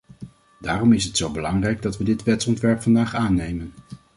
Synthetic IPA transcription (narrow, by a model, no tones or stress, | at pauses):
daːrɔmɪsɦətsowbəlɑŋrɛjɡ̚dɑtʋədɪtʋɛtsɔntʋɛɹpfɑndaːχaːnejmən